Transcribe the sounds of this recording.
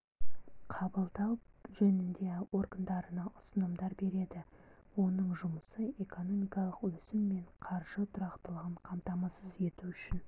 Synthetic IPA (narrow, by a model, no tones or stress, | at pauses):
qʰɑbəlˠd̪ɑʒɵnɪnd̪e̞o̞rɡənd̪ɑɾənɑʊsənəmd̪ɑɾbe̞ɾe̞d̪ɪ | wo̞nəɴʒʊməsəe̞ko̞no̞mijkɑlˠəqwɵsɪmːe̞ɴqʰɑɾʒ̥ət̪ʰʊɾɑqt̪əlˠəʁəɴqʰɑmt̪ɑmɑsəze̞t̪uʏʃɪn